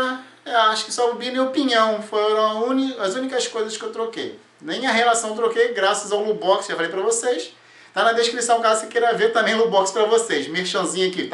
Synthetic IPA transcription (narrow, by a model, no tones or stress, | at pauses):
ɐ | ewaʃʊ̥kɪ̥sɔbinẽopĩɲɐ̃w̃fojɾɐ̃w̃ũniɐzũnikɐskojzɐskɪewt̪ɾokej | nẽj̃ɐɦelasɐ̃w̃t̪ɾokejɡɾasɐzawlubɔksʒafalejp̬ɾɐvosejʃ | t̪anɐd̪eʃkɾisɐ̃w̃kasekeɾɐveɾt̪ɐ̃mẽj̃lubɔkspɾɐvosejʃmeʃɐ̃zĩɲɐki